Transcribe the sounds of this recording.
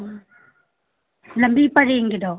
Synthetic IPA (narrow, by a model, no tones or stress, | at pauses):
lɐmbʱipɐɾeŋɡid̪ɔ